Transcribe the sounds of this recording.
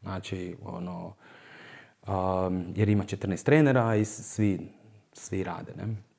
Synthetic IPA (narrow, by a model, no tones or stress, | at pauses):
naːt͡ʃio̰no | əjeɾimat͡ʃet̪r̩neːst̪ɾeːneɾaisʋi | sʋiɾa̰ːd̪enḛ